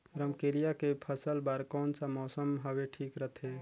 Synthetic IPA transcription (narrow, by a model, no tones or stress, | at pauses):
ɾəmkeɾijakepʰəsəlbaɾkɔnsamɔsəmɦəbeʈʰikɾət̪ʰe